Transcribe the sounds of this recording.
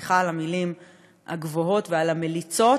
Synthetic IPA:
χalamilim | a̰ɡvoɦo̞tvealamelit͡so̞

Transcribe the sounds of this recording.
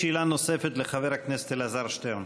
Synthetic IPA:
ilanosefet̪leχaveʁhakneset̪elazaʁʃt̪ejon

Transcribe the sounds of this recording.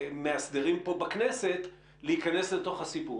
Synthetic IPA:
measd̪eʁimpo̞baknese̞t̪ | leikane̞slet̪o̞χhasipu

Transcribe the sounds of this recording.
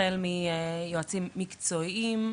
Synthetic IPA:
elmijoat͡simːikt͡soiim

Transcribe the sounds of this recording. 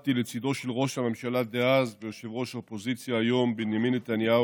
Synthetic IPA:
t̪ilet͡sid̪o̞ʃelʁo̞ʃhamemʃalad̪eazvejoʃevʁo̞ʃopozit͡sjaːjo̞mbenjaminːet̪anja

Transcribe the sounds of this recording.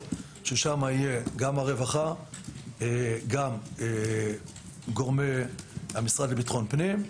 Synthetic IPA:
ʃeʃamaije̞ɡamaʁevaχa | eɡame | ɡo̞ʁmehamisʁadlebitχo̞npnim

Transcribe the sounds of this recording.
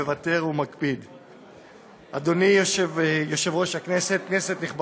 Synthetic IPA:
evat̪e̞ʁumakpid̪ | ʔa̰d̪o̞nioʃvjo̞ʃe̞vʁo̞ʃhaknese̞t̪̚kne̞se̞t̪niχb

